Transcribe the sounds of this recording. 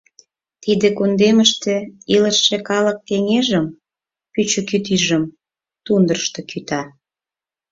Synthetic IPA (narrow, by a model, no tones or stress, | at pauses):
t̪id̪ekond̪eməʃt̪ĕiləʃːekɑlək̚k̪eŋeʒəm | pyt͡ɕə̆kyt̪iʒəm | t̪und̪ərʃt̪ĕkyt̪ɑ